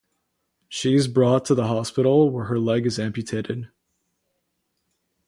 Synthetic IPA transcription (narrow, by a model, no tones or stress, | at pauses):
ʃiɨzbɹɔtʰəðəɦɑspɪɾl̩ˠwə˞ə˞lɛɡɨzæ̃mpjɨtʰeɪɾɨd̥̚